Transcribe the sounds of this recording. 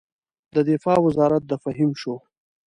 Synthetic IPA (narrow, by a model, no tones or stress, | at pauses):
d̪əd̪ɪfɑːwɪzɑɾat̪̚d̪əfaɦimʃo